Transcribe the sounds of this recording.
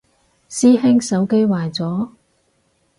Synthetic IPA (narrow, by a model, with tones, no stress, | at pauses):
siː˥hɪ˥ŋsɐ˨˥wke˥jwaː˨jt͡sɔː˨˥